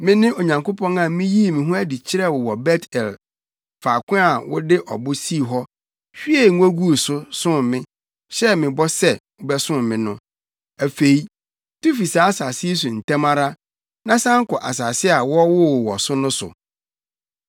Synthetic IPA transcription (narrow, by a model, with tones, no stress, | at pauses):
mɪ̃˦nɪ̃˦o˨ɲã˨ŋko˦pʰɔ̃˦nã˨mɪ̃˦ji˦˨mɪ̃˨ɦʊ̃˦æ˦di˨t͡ɕʰɪ˦ɾɛ˦˨wʊ˨wɔ˨bɛ˦tʰɛ˨l | fa˨kʷʊ̃˦a˨wʊ˦dɪ˦ʔɔ̰˨bʊ˦si˦˨ɦɔ˦ | ɕᶣi˦ɛ˦˨˦o˦ɡu˦˨sʊ˦sʊ̃˦˨mmɪ̃˦ | ɕɛ˦mɪ̃˨bɔ˦sɛ˦ | ʊ˨bɛ˦sʊ̃˦mmːɪ̃˦nʊ̃˦ | æ˨fe˨i˦ | tu˦fi˨sa˨a˦sa˨sɪ˦s̬ʊ˨n̩˨tɛ̃˦mã˦ɾa˦ | nã˦sã˦ŋ̩˦kʊ˨ʔa̰˨s̬a˨sɪ˦a˨wɔ˦wʊ˦˨wɔ˨sʊ˦nʊ̃˦sʊ̰˨